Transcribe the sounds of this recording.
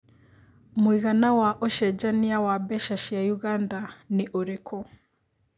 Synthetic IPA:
mwiɣanawaʔɔʃɛd͡ʒaniawabɛʃaʃiajuɣandaniʔoɾɛkʰɔ

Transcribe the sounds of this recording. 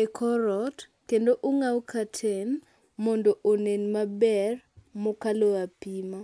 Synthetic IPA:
ekʰɔɾɔt | kendoʔʊŋawkatʰen | mɔndɔʔonenmabɛrmʊkaloapima

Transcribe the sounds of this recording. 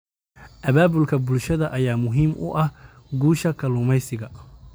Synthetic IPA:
ʔɐβaːbʊlkʰɐbʊlʃɐðɐʔɐjaːmʊɦiːmʔʊ̰ʔɐh | ɡuːʃɐkʰɐlʊːmɛjsɪɣɐ

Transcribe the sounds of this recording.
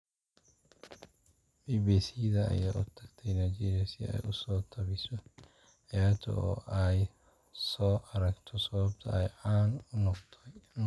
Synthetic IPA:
biːbiːsiðɐɐ̰jaːʔʊt̪ʰɐɡt̪ʰɛjnɐt͡ʃɪɾɛsɪ̰ɛ̰jʊsɔːt̪ʰɐβɪsɔ | ʕɑjaːt̪ʰɐ̰ʔɔ̰ːʔɛj | sɔːʔɐɾɐɡt̪ʰɔsɐβɐbt̪ʰɐ̰ɛjʕaːnʊnɔqt̪ʰɔ

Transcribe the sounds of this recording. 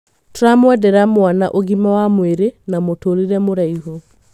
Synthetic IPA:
tɾamwɛdɛɾamwanaʔoɣimawamweɾenamotoɾiɾɛmoɾaiɦo

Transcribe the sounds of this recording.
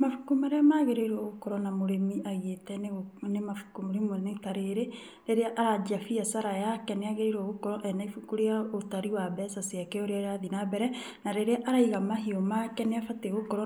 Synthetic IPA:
mafukumaɾeamaɣeɾeiɾoɣokɔɾɔnamoɾemiaɣetɛnenemafukumɾemunetaɾeɾe | ɾeɾeaʔaɾad͡ʒafiasaɾajakɛneaɣeɾeɾoɣokɔɾɔʔɛnaifukuɾeaotaɾiwabɛsasiakɛoɾeaɾeaðinabɛɾɛ | naɾeɾeaʔaɾaiɣamaɦiɔmakɛneafateɣokɔɾɔ

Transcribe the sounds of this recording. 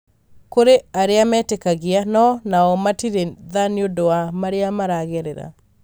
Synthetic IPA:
koɾeaɾɪamɛtekaɡɪanɔnaɔmatiɾeðanjodoamaɾeamaɾaɡeɾeɾa̰

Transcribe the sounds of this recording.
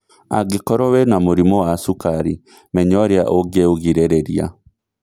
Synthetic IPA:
a̰ɡekɔɾɔwɛnamoɾimɔwasukaɾi | mɛɲɔɾea̰ʔoɡeoɣiɾeɾeɾia̰

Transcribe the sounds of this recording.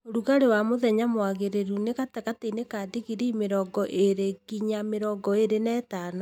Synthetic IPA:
oɾuɣaɾewamoðɛɲamwaɣeɾeɾunekatakateinekaːdiɣiɾiimeɾɔːɡɔʔeɾeɡiɲameɾɔɡɔeɾenɛːtaːna

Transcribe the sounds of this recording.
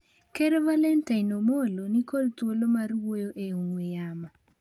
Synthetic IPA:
keɾevalɛntainomolonikolt̪wolomaɾwojoʔeuŋwejama

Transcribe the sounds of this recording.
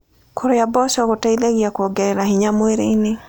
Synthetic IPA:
kʰoɾojabɔsɔɣotaiðeɣiakoɡɛɾɛɾahiɲamweɾeine

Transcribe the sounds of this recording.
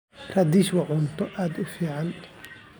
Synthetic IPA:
rɐd̪iʃwɑʕʊnt̪ʰɔʔaːd̪ʊfiːʕɑn

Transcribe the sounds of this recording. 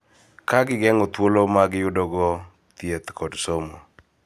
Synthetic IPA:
kaɡɪɡɛŋɔt̪wolomaɡjʊdɔɡɔ | t̪jet̪kʰɔdsomo

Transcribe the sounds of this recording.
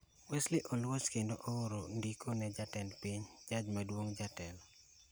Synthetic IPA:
weslɪʔɔlwoskendoʔooɾondikʰonɛd͡ʒatɛnpiɲd͡ʒad͡ʒmadwoŋd͡ʒatɛlɔ

